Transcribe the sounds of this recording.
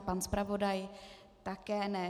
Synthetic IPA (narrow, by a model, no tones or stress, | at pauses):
panspɾavo̞daj | t̪akɛːnɛ